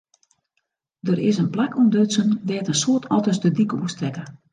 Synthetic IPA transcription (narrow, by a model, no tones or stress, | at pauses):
dərɪsənplakumdøsəndɛːtənsoətʰɔtəsdədikəuəstrɛkə